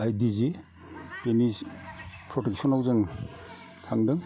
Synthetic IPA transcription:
ajdizi | penispʰɾɔtek̚sɔnawzɯŋ | tʰaŋdɯŋ

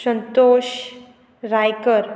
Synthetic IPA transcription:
sənt̪oɕ | ɾajkəɾ

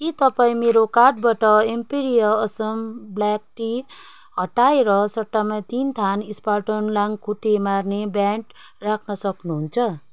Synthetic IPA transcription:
kit̪ʌpaĩmeɾokarʈ̚baʈʌempiɾijʌːsʌmblak̚ʈi | ɦʌʈaeɾʌsʌʈːamat̪int̪ʰanisparʈʌnlaŋkʰuʈːemarnebjaɳʈ | rakʰnʌsʌknuɦunt͡sʰʌ

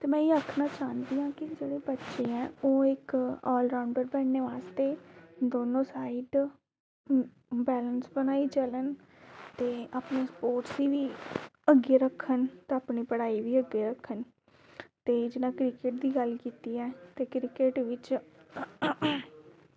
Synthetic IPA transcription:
t̪eːmɛ̃ːiəkʰnaːt͡ʃaːnd̪iːãːkɪd͡ʒeːɽeːbətːʃeːɛ̃ːoːɪkɔːlɾaːʊɳɖəɾbɛːɳneːʋaːst̪eːd̪oːnõːsaːiːɖ | bɛːlənsbənaːiːt͡ʃələn | t̪eːaːpnẽːspoːʈsiːʋiːəɡːeːɾəkʰːənt̪eːaːpniːpəɽaːiːʋiːəɡːeːɾəkʰːən | t̪eːd͡ʒɪnãːkɾɪkeʈ̚d̪iːɡəlkiːt̪iːɛːt̪eːkɾɪkeʈʋɪt͡ʃ

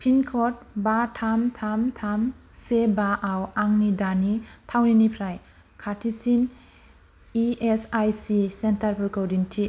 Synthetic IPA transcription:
pʰinkʰɔt̚batʰamtʰamtʰamsebaʔawaŋnidanitʰawninipʰɾaj | kʰatʰisin | iesajsisentaɾpʰɾɔkowdintʰi

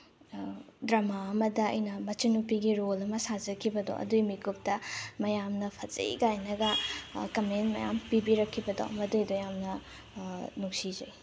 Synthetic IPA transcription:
dɾɐmaɐmɐdɐ̰ːjnɐmɐt͡ʃinupiɡiɾolɐmɐsad͡ʒɐkʰibɐdo̰ʔɐ̰dujmikup̚tɐmɐjamnɐpʰɐt͡ʃḛḭɡajnɐɡɐkɐmentmɐ̰ja̰mpibiɾɐkʰːibɐdo̰ʔɐ̰mɐdujdojamnɐ | nuksid͡ʒɐj

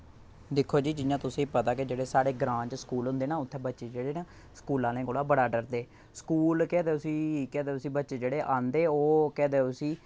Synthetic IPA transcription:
d̪ɪkʰːoːd͡ʒiːd͡ʒɪjãːt̪ʊsĩːpət̪aːkɪd͡ʒeːɽeːsaːɽeːɡɾãːt͡ʃsə̥kuːlɦʊ̃nd̪eːnaːʊt̪ʰːẽːbətːʃeːd͡ʒeːɽeːnaː | skuːlãːlẽːkoːɽaːbəɽaːɖəɾd̪eː | skuːlkɛːd̪eːʊsĩːkɛːd̪eːʊsĩːbətːʃeːd͡ʒeːɽeːʔãːnd̪eːoːkɛːd̪eːʊsĩː

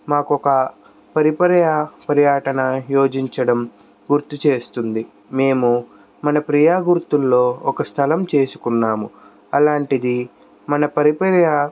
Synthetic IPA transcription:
maːkɔkɐ | pɐɾipɐɾjɐpɐɾjaːʈɐnɐjo̞ːd͡ʒiɲt͡ʃɐɽɐm | ɡuɾt̪it͡ʃe̞ːst̪und̪i | me̞ːmu | mɐnɐpɾijaːɡuɾt̪ulːo̞ːɔkɐst̪ʰɐlɐmt͡ʃe̞ːsu̥kunːaːmu | ɐlaːɳʈid̪i | mɐnɐpɐɾipɐɾjɐ

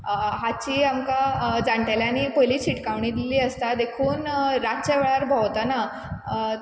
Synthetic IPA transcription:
ɦat͡ɕiːamkad͡zaɳʈaljaniːpəɦjliːt͡ɕiʈkaʋɳĩd̪iliːəst̪ad̪ekʰuːnɾat͡ɕaʋeɭaɾbʱɔwt̪ana

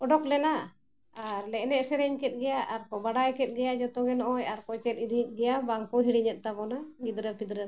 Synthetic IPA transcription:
ɔɖɔklɛna | aɾlɛʔnɛʔsɛɾɛɲkɛt̪̚ɡɛjaʔaɾkɔbaɽajkɛt̪̚ˀɡɛjad͡ʒɔt̪ɔɡɛnɔʔɔjaɾkɔjt͡ʃɛt̪id̪it̪̚ˀɡɛjabaŋkɔɦiɽiɲɛt̪̚ˀt̪abɔnaɡid̪ɾəpid̪ɾə

